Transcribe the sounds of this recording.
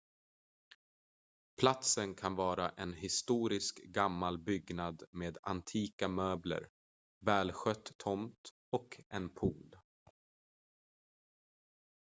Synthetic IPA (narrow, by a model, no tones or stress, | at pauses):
pʰlat̪sənkʰanvɑːɾaʔɛnhɪst̪uːɾɪskɡamːalbʏɡnad̪meːd̪a̰nt̪ʰiːkamøːblə̰ɾ | vɛːlɧœt̪ʰːɔmt̪ | ɔkɛnpʰuːl